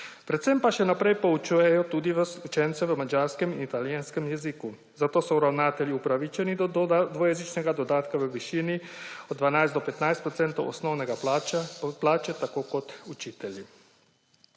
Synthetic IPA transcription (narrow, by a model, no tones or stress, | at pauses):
pɾɛt̪sɛmpaʃɛnapɾɛjpout͡ʃujɛjɔt̪uːd̪iʋəsut͡ʃɛnt̪sɛʋəmad͡ʒaɾskɛminit̪aljanskɛmjɛziku | zat̪oːsɔuɾawnaːt̪ɛljiupɾaʋit͡ʃɛnid̪d̪ʋɔjɛzit͡ʃnɛɡad̪od̪aːt̪kaʋəʋiʃiːniod̪dːʋanajsd̪ɔpɛt̪najst̪pɾɔt̪sɛnt̪owʔo̰snɔwnɛɡa | plaːt͡ʃɛt̪akokot̪ut͡ʃiːt̪ɛli